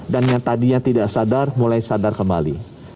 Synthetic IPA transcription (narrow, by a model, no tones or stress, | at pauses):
danjaŋt̪adijaŋt̪idaʔsadarmulajsadarkəmba̰li